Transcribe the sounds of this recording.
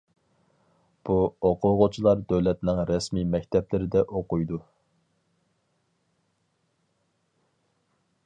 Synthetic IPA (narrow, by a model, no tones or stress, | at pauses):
b̥uoqʰʊʁʊt͡ʃʰilˠɑɾd̪øwlɛt̪nɪŋɾɛsmimɛk̚ʲt̪ʰɛplɪɾɪd̪ɛʔoqujd̪u